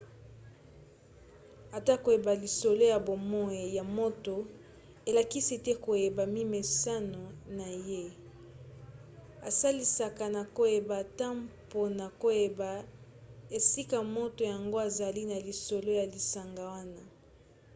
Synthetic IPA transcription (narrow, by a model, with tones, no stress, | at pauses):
a˨ta˦ko˨je˨ba˨li˨so˨lo˦ja˨bo˨mɔ˦e˨ja˨mo˦to˨ | e˨la˨ki˦si˦tɛ˦ko˨je˨ba˨mi˦me˨sa˦no˨na˨je˦ | a̰˨sa˦li˦sa˨ka˨na˨ko˨je˨ba˨ta˦mpo˦na˨ko˨je˨ba˨ | e˨si˦ka˨mo˦to˨ja˨ŋɡo˦a˨za˨li˦na˨li˨so˨lo˦ja˨li˨sa˨ŋɡa˨wa˦na˦